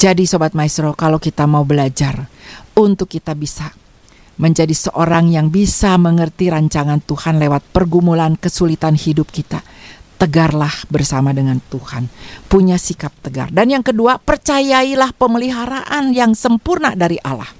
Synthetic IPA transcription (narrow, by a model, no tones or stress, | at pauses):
d͡ʒadisobat̪̚maisɾokalawkit̪amaubəlad͡ʒarunt̪ʊkːit̪abisa | məɲd͡ʒadisəʔoɾaŋjaŋbisaməŋərt̪iɾaɲt͡ʃaŋant̪uhanlewat̪̚pərɡumulankəsulit̪anhidʊp̚kit̪at̪əɡarlahbərsamadəŋant̪uhanpuɲasikap̚t̪əɡa̰rdanjaŋkəduapərt͡ʃajailahpəməliɦaɾaʔanjaŋsəmpurnadaɾiʔala̰h